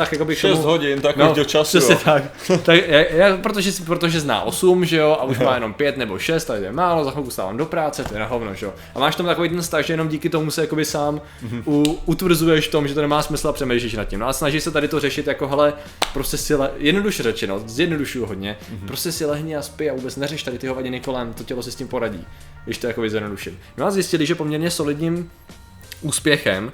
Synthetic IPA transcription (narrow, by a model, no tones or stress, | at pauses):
t̪akjako̞bɪkʃkt̪oɛsmuɦoɟɪnt̪aknot͡ʃasr̥ɛɲɛt̪ak | t̪akjaapɾot̪oʒɛspɾot̪oʒɛzna̰ːʔo̞sumʒɛjo̞ʔauʃmmaːjɛno̞mpjɛt̪nɛbo̞̰ʃɛst̪ːadɪt̪ojɛmaːlo̞zaxokust̪a̰ːva̰ːmdo̞pɾaːt͡sɛt̪ojɛnaɦovnoʒɛjo | ʔamaːʃt̪omt̪akovejt̪̬ɛnst̪axʒɛjɛnomɟiːkɪt̪o̞musɛjako̞bɪsaːm | uut̪vr̩zujɛʃft̪o̞mʒɛt̪onɛmaːsmɪsl̩apr̥ɛmejʃ̬liʃnat̪̚cɪmnoʔalɛsnaʒɪʃsɛt̪adɪt̪orɛʃɪt̪jako̞ɦɛlɛ | pɾo̞scɛsɪlɛjɛdnoduʃɛɾɛt͡ʃɛnozjɛdno̞duʃujuɦod̪ɲɛpɾo̞scɛsɪlɛɦɲɪaspɪavuːbɛt͡snɛrɛʃt̪adɪt̪ɪɦovaɟɪnɪko̞lɛmt̪o̞cɛlosɪscɪmpoɾaɟḭː | ɡdɪʃt̪ojakobɪzjɛdnoduʃɪmmɪaːzjɪscɪlɪʒɛpomɲɛɾɲɛso̞lɪdɲim | ʔuːspjɛxɛm